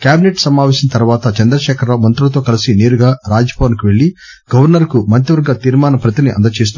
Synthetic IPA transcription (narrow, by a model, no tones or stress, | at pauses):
kjaːbineʈsɐmaːʋeːʃɐnt̪ɐɾuʋaːt̪ɐt͡ʃɐnd̪ɾɐʃɛːkʰɐɾloːmɐnt̪ɾulɐt̪o̞ːkɐlisineːɾuɡaːɾaːd͡ʒɐpoːnkuʋe̞ɭːi | ɡ̥ɐʋɐɾnɐɾkumɐnt̪iʋɐɾɡːɐt̪iːɾmaːnɐpɾɐt̪iniʔɐ̰nd̪ɐt͡ʃeːs̬t̪u